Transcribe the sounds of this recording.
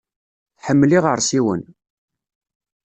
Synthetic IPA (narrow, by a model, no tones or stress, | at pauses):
θħəmːliʁəɾˤsiwən